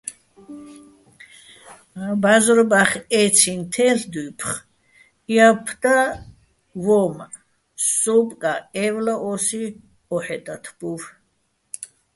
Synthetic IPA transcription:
bazɾbaχɛt͡sʰint̪ʰɛɬd̪upʰχ | iapʰd̪̥a | vɔm | sɔpʼkʼaɛvlaʔɔsi | ɔħɛt̪ʼat̪ʰb̥uv

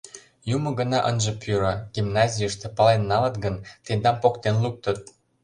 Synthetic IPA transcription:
jumɤ̆ɡə̆nɑʔənʒə̆pʰyɾəɡ̥imnɑzʲijəʃt̪ĕpɑlenːɑlət̪ɡənt̪end̪ɑmpokt̪enluk̚t̪ə̆t̪̚

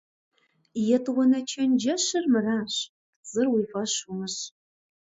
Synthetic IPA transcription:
jɛtʰʼwɐnɐt͡ʃʰɐnd͡ʒɐɕɨrmɨraːɕ | z̥ɨrwiːfɐɕʊmɨɕ

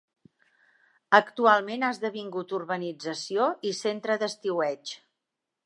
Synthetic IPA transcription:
əkt̪ualˠmenazðəβiŋɡut̪urβənid͡zəsioisent̪ɾəðəst̪iwɛt͡ʃ

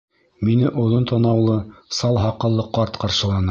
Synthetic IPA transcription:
minɘʔŏðˠont̪ɑnɑwlˠɤsɑlˠɦɑqːɤ̆lˠːɤqɑɾt̪qɑɾʃɤ̆lˠɑnɑ

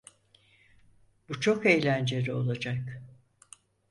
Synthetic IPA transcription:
but͡ʃʰo̞ke̞jlʲænd͡ʒe̞ɾio̞lˠad͡ʒak

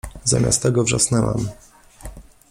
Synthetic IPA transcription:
zamʲʔa̰st̪ːɛɡɔvʐasnɛwa̰m

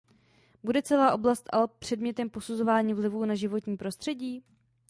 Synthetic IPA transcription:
budɛt͡sɛlaːʔo̞blast̪ʔa̰lɛpr̝̥ɛdmɲɛt̪ɛmpo̞suzo̞vaːɲiːvlɪvuːnaʒɪvo̞t̪ɲiːpɾo̞st̪r̥ɛɟiː

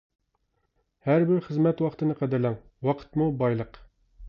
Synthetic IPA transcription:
hæɾbɪɾχəzmɛt̪wɑqt̪ʰɨnɨqʰɛd̪ɪɾlɛŋ | wɑqʰə̥t̪mubɑjlˠəq

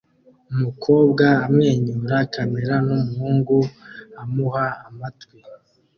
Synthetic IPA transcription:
umukʰo̞ːbɡaːmŋe̞ːɲuɾakʰameɾanumuhuːŋɡuamuhaːmatɡwi

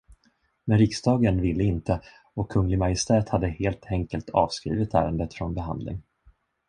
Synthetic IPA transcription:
mɛnɾɪksd̪ɑːɡənvɪlːəɪnt̪ə | ɔkʰːɵŋːlɪɡmajɪst̪ʰɛːt̪had̪ːəheːlt̪ʰɛŋkəlt̪ʰɑ̰ːvskɾḭːvɪt̪ʰæ̰ːɾənd̪ət̪fɾɔnbɛɦa̰nd̪lɪ̰ŋ

